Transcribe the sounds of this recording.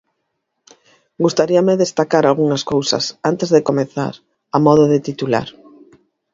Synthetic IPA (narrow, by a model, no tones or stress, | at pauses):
ɡust̪aɾiɐmɪðest̪akaɾalɣuŋɐskowsɐ̰sant̪ezðekomeθa̰ɾ | amɔðoðet̪it̪ula̰ɾ